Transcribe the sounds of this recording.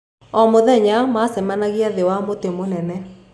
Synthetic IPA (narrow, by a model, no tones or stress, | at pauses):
ɔmoðɛɲamasɛmanaɣiaðewamotemonɛnɛ